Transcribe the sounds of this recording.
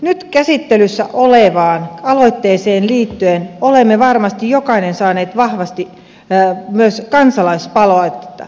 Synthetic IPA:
nyt̪kæsit̪ːelysːæʔoleʋɑːnɑloit̪ːeːseːnliːt̪ːyenolemːeʋɑrmɑst̪ijjokɑinensɑːneːt̪ʋɑhʋɑst̪i | myøskɑnsɑlɑispɑloɑit̪ːet̪ːɑ̰

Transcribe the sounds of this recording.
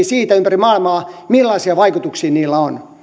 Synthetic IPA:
isiːt̪æympærimɑˑilmɑːmilːɑisiɑʋɑikut̪uksiːniːlːæon

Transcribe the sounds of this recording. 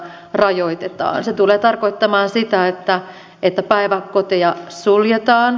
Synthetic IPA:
rɑjoit̪et̪ɑ̰ːnset̪uleːt̪ɑrkoit̪ːɑmɑːnsit̪æet̪ːæ | et̪ːæpæiʋækkot̪iɑsuljet̪ɑːn

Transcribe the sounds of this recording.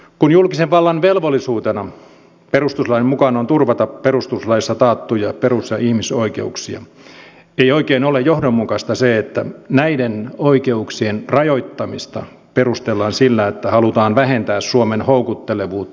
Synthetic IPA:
kunjulkiseʋʋɑlːɑnʋelʋolːˑisuːt̪enɑ | perust̪uslɑjmukɑnont̪urʋɑt̪ɑperust̪uslɑjisːɑt̪ɑːt̪ːujɑperusjɑihmisoikḛuksiɑ̰ | eioikeːnolejjohdomːukɑst̪ɑseet̪ːæ̰næidenoikeuksienrɑjoit̪ːɑmist̪ɑ̰ | perust̪elːɑːnsilːæet̪ːæhɑlut̪ɑːnʋæhent̪æːssuomenhoukut̪ːeleʋuːt̪ː

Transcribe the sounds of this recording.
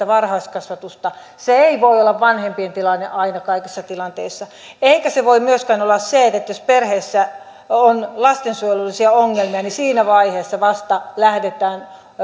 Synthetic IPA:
æʋɑrhɑiskɑsʋɑt̪ust̪ɑ | seeiʋoiolːɑʋʋɑnhempient̪ilɑnːḛʔɑinɑkɑikisːɑt̪ilɑnt̪eisːɑ | eikæseʋoimyøskænolːɑsseet̪ːet̪ːjosperheːsːæ | onlɑst̪ensuojlulːˑisiɑoŋːelmiɑnisiːnæʋɑiheːsːɑʋɑst̪ɑlæhdet̪ˑæːn

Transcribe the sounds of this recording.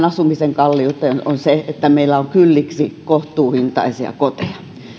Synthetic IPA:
nɑsumiseŋkɑlːiut̪ːenonseet̪ːæmeilːˑæoŋkylːiksikoht̪uːhint̪ɑ̰isiɑ̰kot̪eɑ̥

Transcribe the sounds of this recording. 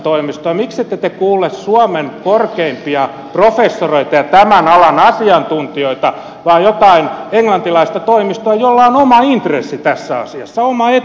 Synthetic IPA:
t̪oimist̪oɑmikset̪ːet̪ekuːlessuɑmeŋkorkeimpiɑ | profesːoroit̪ɑjɑt̪æmænɑlɑnɑsiɑnt̪unt̪ioit̪ɑ | ʋɑːjot̪ɑineŋlɑnt̪ilɑist̪ɑt̪oimist̪oɑjolːɑonomɑint̪rḛsːit̪æsːæɑ̰siɑ̰sːɑomɑe

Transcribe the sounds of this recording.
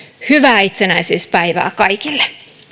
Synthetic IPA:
hyʋæːit̪senæisyːspæiʋæ̰ːkɑikilːe̥

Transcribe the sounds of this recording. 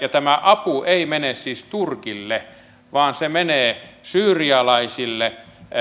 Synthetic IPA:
jɑt̪æmæʔɑpuʔeˑimenessiːst̪urkilːe | ʋɑːnsemeneːsyːriɑlɑisilːe

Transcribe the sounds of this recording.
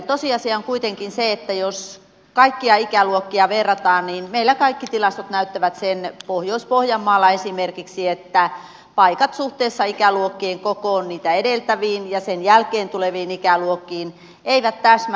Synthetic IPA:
t̪osiɑsiɑoŋkuit̪eŋkinseet̪ːæjos | kɑikːiɑikæluokːiɑʋerːɑt̪ɑːnniːnmeilːækɑikːit̪ilɑst̪ot̪næyt̪ːæʋæt̪senpohjoispohjɑmːɑːlːɑesimerkiksiet̪ːæ | pɑikɑt̪suht̪eːsːɑikæluokːeːŋkokoːnniːt̪æedelt̪æʋiːnjɑsenjælkeːnt̪uleʋiːnikæluokːˑiːn | eiʋæt̪t̪æsm

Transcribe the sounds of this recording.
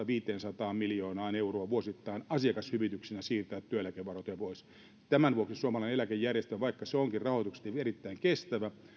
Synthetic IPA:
ɑʋiːt̪eːnsɑt̪ɑːmmiljoːnɑːneuroɑʋuosit̪ːɑinɑsiɑkɑshyʋit̪yksinæsiːrt̪æːt̪t̪ːyøelækeʋʋɑrot̪ojɑpois | t̪æmænʋuoksisuomɑlɑˑinelækejːærjest̪øʋɑikːɑseoŋkirrɑhoˑit̪ukse̥t̪ʋerit̪ːæiŋkest̪æʋæ

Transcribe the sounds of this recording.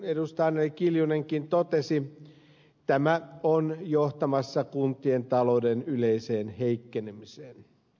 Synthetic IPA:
edust̪ɑːnelikiljune̞ŋkint̪ot̪esi | t̪æmæonjoht̪ɑmɑsːɑkunt̪ˑie̞nt̪ɑlo̞wde̞nyle̞jse̞ːnhe̞jkːenemiseːn

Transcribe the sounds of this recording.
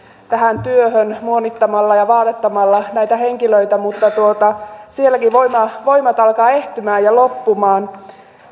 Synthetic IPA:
t̪æhænt̪yøhønmuonːit̪ːɑmɑlːɑjɑʋɑːt̪et̪ːɑmɑlːɑnæit̪æheŋkiløit̪æmut̪ːɑt̪uot̪ɑsielːækiʋoimɑʋoimɑt̪ɑlkɑːeht̪ymæːjɑlopːumɑːn

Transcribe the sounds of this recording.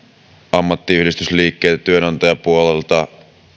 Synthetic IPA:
ɑmːɑt̪ːiyhdist̪ysliːkːeːt̪æt̪yønɑnt̪ojɑpuolelt̪ɑ

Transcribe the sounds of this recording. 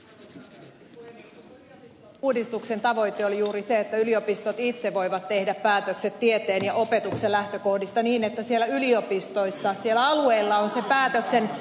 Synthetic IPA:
uːdist̪ukse̞nt̪ɑʋo̞jt̪eolijuːɾiseet̪ːæylio̞pist̪ot̪it̪seʋo̞jʋɑt̪ːe̞hdæppæːt̪økse̞t̪ːiet̪eːnjɑʔo̞pe̞t̪ukselæht̪øko̞hdist̪ɑniːnet̪ːæsielːæylio̞pist̪o̞jsːɑsielːæɑlue̞ilːɑonse̞pæːt̪økse̞n

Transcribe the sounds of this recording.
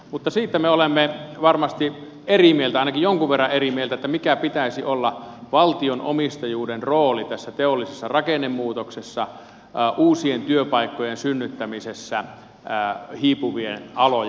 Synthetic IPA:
mut̪ːɑsiːt̪ːæmeolemːeʋɑrmɑst̪i | erimielt̪æɑˑinɑkijjoŋkuʋʋerːɑʔʔerimielt̪æet̪ːæmikæpit̪æisiʔolːɑʋɑlt̪ionʔomist̪ɑjuːdenroːlit̪æsːæt̪eolːisesːɑrɑkenːemːuːt̪oksesːɑ | ʔuːsient̪yøpɑikːojensynːyt̪ːæmisesːæ | hiːpuʋiḛnɑlo

